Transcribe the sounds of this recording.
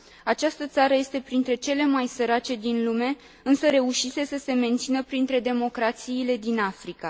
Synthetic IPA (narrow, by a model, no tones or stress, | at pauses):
at͡ʃast̪ət̪saɾəje̞st̪e̞pɾint̪ɾe̞t͡ʃe̞le̞majsəɾat͡ʃe̞d̪inlume̞ | ɨnsəɾe̞uʃise̞səse̞me̞nt̪sinəpɾint̪ɾe̞d̪e̞mo̞kɾat̪siːle̞d̪inafɾika